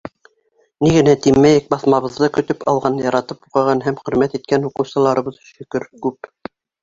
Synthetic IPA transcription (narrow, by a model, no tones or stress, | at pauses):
niɣɘ̆næt̪imːæjɘk̚bɑθmɑβɤ̆ðːɤkɵ̆t̪ɵpɑlˠʁɑnjɑɾɑt̪ɤpuqɑ̆ʁɑnɦæmχɵ̆ɾmæt̪it̪̚kænhuqɤ̆wsɤ̆lˠɑɾɤ̆βɤðʃɵ̆kɵɾkʉp̚